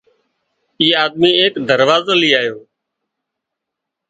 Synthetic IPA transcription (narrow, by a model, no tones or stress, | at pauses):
iːaːd̪miːeːkd̪əɾʋaːzəliːaːjoː